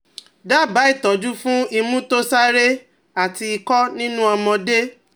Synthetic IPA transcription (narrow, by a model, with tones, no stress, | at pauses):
da˦˨ba˨˦i˦˨tɔ˨d͡ʒu˦fũ˦i˧mũ˦to˦sa˦ɾe˦ | a˨ti˧i˧kɔ˦nĩ˦nũ˦ɔ˧mɔ̃˧de˦